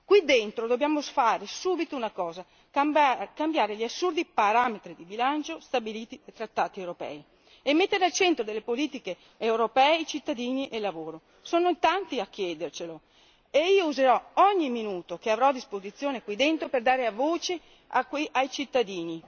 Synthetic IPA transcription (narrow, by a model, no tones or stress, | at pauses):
kwid̪ent̪ɾod̪objaːmosfaːɾesuːbit̪ounakɔːza | kambjaːɾeʎiasːurd̪ipaɾamet̪ɾid̪ibilant͡ʃost̪abiliːt̪id̪at̪ɾat̪ːaːt̪iewɾopɛ̰ːi | emːet̪ːeɾealt͡ʃɛnt̪ɾod̪elːepoliːt̪ikeː | wɾopɛːeit͡ʃit̪ːad̪iːniʔelːavoːɾo | soːnoit̪ant̪iak̟ːjɛːd̪ert͡ʃelo | eiːouzeɾɔɔɲːiminuːt̪okeavɾɔad̪ːispozit̪sːjoːnekwid̪ent̪ɾoperd̪aːɾeavoːt͡ʃe | a̰kwiʔajt͡ʃit̪ːad̪iːni